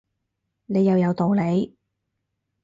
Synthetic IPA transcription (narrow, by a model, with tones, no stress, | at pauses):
ne˨˧jːɐ˨˧wjɐ˨˧wt̪o˨˧wle˨˧j